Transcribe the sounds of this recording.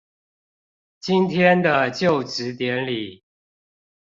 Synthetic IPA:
t͡ɕi˦nt̪ʰjɛ˥˦nd̪ə˨t͡ɕjo˥˨ʊʈ͡ʂɻ̩˨˦t̪jɛ˨˧˦nli˨˩˦

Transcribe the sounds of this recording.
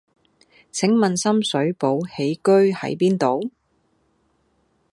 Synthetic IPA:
t͡sʰɪ˨˥ŋmɐ˨nsɐ˥msɵ˨˥ɥpo˨˧˥whe˨˥jkɵ˥ɥhɐ̰˨˥jpiː˥nt̪o˨w

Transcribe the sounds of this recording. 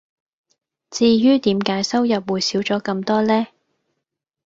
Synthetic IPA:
t͡siː˧jyː˥t̪iː˨˥mkaː˨˥jsɐ˥wjɐ˨p̚wuː˨˩jsiː˨˥wt͡sɔː˨˥kɐ˧mt̪ɔː˥lɛː˥

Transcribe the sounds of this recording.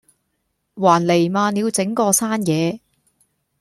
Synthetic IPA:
waː˨˩nle˨˩jmaː˧niː˨˧wt͡sɪ˨˥ŋkɔː˧saː˥njɛː˨˧

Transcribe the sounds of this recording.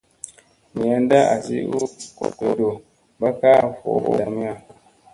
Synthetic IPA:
mi˨ja˦n˦da˦ʔa˨sḭ˦u˦ko̰˨ke˨do˨ | ba˦ka˦˨fo̰˨˦o̰˦da˨mi˦a˦

